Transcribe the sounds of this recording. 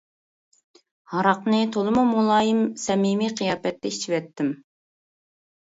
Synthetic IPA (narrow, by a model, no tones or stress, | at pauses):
hɑɾɑqnɨt̪ʰolˠɨmumulˠɑːjimsɛmimiqʰijɑːpɛt̪ːɛit͡ʃʰivɛt̪ːɪm